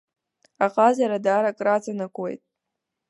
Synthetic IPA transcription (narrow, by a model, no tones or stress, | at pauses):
aqʼazaɾadaːɾakʼrat͡sʰʼanakʷḛjtʼ